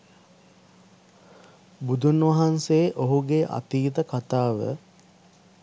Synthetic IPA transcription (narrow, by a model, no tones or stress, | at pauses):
bud̪ʱunʋaɦanseːʔoɦuɡeʔa̰t̪iːt̪əkat̪aːʋə̰